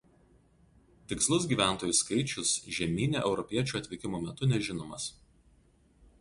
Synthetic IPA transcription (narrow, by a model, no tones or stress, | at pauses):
t̪ʲɪkslˠʊsɡʲiːʋʲæˑnˑt̪oːjʊskɐɪt͡ʃʲʊsʒʲɛmʲiːnʲḛːʔɛʊɾɔpʲiɛt͡ʃʲuːɐt̪ʲʋʲɪkʲɪmoːmʲɛt̪ʊnʲɛʒʲɪnoːmɐs